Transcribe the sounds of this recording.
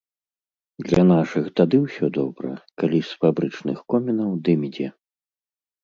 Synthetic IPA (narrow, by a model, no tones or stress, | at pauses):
d̪lʲɐnaʂɨxt̪ad̪ɨwsʲɔd̪ɔbɾɐ̰kalʲisfabɾɨt͡ʂnɨxkɔmʲinɐwd̪ɨmʲid͡zʲɛ